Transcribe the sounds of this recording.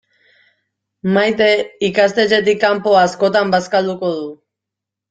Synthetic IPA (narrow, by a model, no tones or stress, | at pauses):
majt̪e̞ikast̪e̞t͡ʃe̞t̪̬ikːampo̞asko̞t̪ambaskald̪uko̞ðu